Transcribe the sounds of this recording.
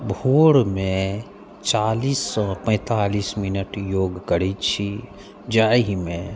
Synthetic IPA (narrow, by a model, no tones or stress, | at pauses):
bʱoːɽmẽ | t͡ʃaːliːspɛ̃t̪aːlismɪnəʈjoːɡkəɾit͡ʃʰi | d͡ʒaːɦimẽ